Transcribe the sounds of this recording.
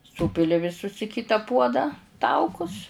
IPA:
ˈsuːpʲɪlʲɪ ʋʲɪˈsʊs ɪ ˈkʲɪtɐ ˈpuɔdɑː ˈtɐʊkʊs

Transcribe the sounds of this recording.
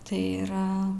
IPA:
ˈtɐɪ iːˈrɐ

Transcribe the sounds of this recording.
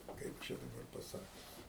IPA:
ˈkɐɪp t͡ʃʲɛ dɐˈbɐr pɐˈsɑːkʲʊs

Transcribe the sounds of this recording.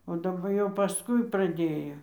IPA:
oː dɐˈbɐ jɛʊ pɐˈskʊɪ prɐˈdʲeːjoː

